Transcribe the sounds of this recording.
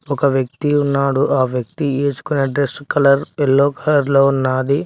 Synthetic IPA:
ɔkɐʋjɐk̚t̪iunːaːɽuʔaːʋjɐk̚t̪ieːt͡ʃu̥kuneɖɾeskɐlɐɾelːoːkɐlɐɾloːnːaːd̪i

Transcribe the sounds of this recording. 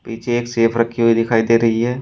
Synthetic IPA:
piːt͡ʃʰeeːkseːpʰɾɐkʰːiɦuid̪ɪkʰaːid̪eːɾɐɦiɦɛː

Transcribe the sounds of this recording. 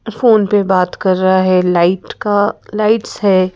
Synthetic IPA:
foːnpebaːt̪kɐɾːɐɦaɦɛlaːɪʈkalaːɪʈsɦɛː

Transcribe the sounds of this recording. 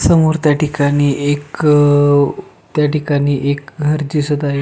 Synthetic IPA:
səmoɾt̪jaʈikaɽ̃iːek | t̪jaʈikaɽ̃iːʔekɡʱəɾd͡ʑisud̪aɦe

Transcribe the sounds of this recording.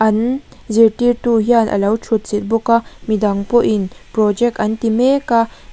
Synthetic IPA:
ʔɐnziɾtiɾt̪uɦianʔɐ̰lɐwt͡ʃʰut̪̚sit̪̚bukamid̪ɐŋpɔʔinpɾɔd͡ʒɛk̚tɐnt̪imeka

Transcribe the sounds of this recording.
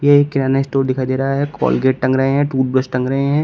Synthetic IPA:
jekːɪnaːnaɪsʈoːɾd̪ɪkʰaːid̪eːɾaɦaɦɛkɔ̰ːlɡeːʈ̚ʈɐ̃ŋɡɾɐɦeɦɛ̃ʈuːʈ̚bɾəsʈʈɐ̃ŋɡɾɐɦeɦɛ̃ː

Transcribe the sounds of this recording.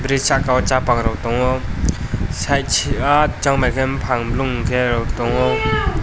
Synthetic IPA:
bɾisakawɔt͡ʃapakɾɔwtɔŋɔ | sajt͡ʃʰiat͡ʃaŋmalkʰɛmpʰaŋbluŋkʰeɾɔwtɔŋɔ

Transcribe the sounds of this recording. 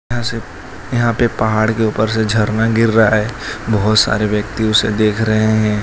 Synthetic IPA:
jɦãse | jɐɦãpepɐɦaːɽkeʊpəɾsed͡ʒʱɐɾnaɡɪɾːaɦaɦɛːbɐɦʊt̪sa̰ːɾeʋjəkt̪iʊsed̪eːkʰɾɐɦeɦɛ̃ː

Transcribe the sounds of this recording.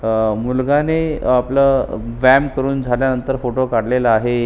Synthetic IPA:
mulɡaneapləʋæmkəɾuːnd͡zʱaljanənt̪əɾfoʈokaɽleləaɦe

